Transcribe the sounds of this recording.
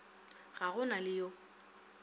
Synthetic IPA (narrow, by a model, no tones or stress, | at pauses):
ɣaɣʊnalɪjo